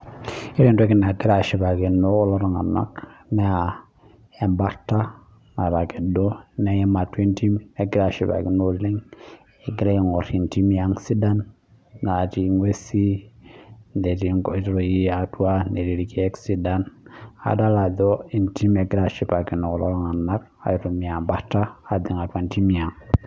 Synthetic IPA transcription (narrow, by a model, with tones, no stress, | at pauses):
i˦ɾi˦nto˦ki˦na˨ɡi˦ɾa˨ʃi˨ba˨ki˨no˦lo˦ɾŋa˨na̰˦kne˦a˨ | e˨mba˦ɾta˦ | ŋa˨ɾa˨ke˨do˦ne˨je˦ma˨te˦nti˦me˨ɡi˦ɾa˨ʃi˨pa̰˨ɡi˨no˦li˦ŋ | e˨ɡi˦ɾe˦i˨ŋo˨ɾi˨nti˦mja˦ŋsi˦da˦nː | a˨ti˦ŋwe˦si˦ | nde˨ti˨˦ŋko˨˦tɾo˨ji˦a˨tu˦a˦nde˨ɾi˨ɾi˨ki˦e˦ksi˦da˦na̰˨da˦la˨do˦i˨nti˦me˨ɡɾa˨ʃi˦pa˨ki˨no˨lo˦ŋa˨na˦ɾ | a̰˨ɾu˨mi˨a˨mba˦kta˦a˨di˨ŋa˨twe˨nti˦mi˨ja˨ŋ